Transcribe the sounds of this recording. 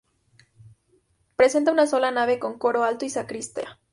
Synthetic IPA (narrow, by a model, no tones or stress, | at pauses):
pɾe̞se̞nt̪aunaso̞lanaβe̞ko̞ŋko̞ɾo̞alt̪oisakɾist̪ea